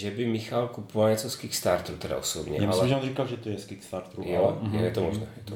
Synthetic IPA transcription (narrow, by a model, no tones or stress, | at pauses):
ʒɛbɪmɪxalkupovalɲɛt͡soskikst̪aɾt̪ɾut̪ɛda̰ʔosobɲɛ̰ʔamalɛʒɛonrikalʒɛt̪ojɛskikst̪aɾt̪ɾujjojjɛt̪omoʒnɛ̰jɛt̪o